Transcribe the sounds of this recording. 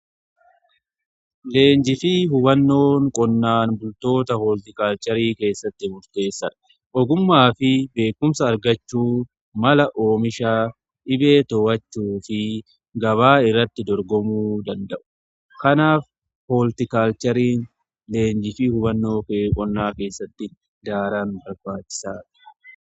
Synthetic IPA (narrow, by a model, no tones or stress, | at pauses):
le̞ːnd͡ʒɪfiːɦʊbɐnːo̞ːŋkʼɔnːaːnbʊlt̪o̞ːt̪ɐhɔːlt̪ɪkaːlt͡ʃɐɾiːke̞ːsːɐt̪ːɪmʊɾt̪e̞ːsːɐᶑɐ̥ | ʔɔɡʊmːaːfɪbe̞ːkːʊmsɐːɾɡɐt͡ʃːuː | mɐlɐʔoːmɪʃaː | ʔɪbe̞ːt̪ɔːwɐt͡ʃːuːfɪ | ɡɐβaːɪrːɐt̪ːɪd̪ɔɾɡɔmuːd̪ɐnd̪ɐʔʊ̥ | kɐnaːf | hoːlt̪ɪkaːlt͡ʃɐɾiːn | le̞ːnd͡ʒɪfɪhʊbɐnːo̞ːkːkʼɔnːaːke̞ːsːɐt̪ːɪ | d̪aːɾaːnbɐɾbaːt͡ʃːɪ̥saːᶑɐ̥